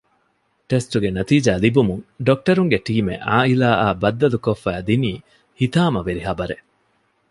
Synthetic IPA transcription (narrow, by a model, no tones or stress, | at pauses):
ʈesʈuɡenɐt̪iːd͡ʒaːlibumuŋɖok̚ʈɐɾuŋɡeʈiːmḛʔaːilaːʔaːbɐd̪ːɐlukofːæːd̪iniː | hit̪aːmɐʋeɾiɦɐbɐɾe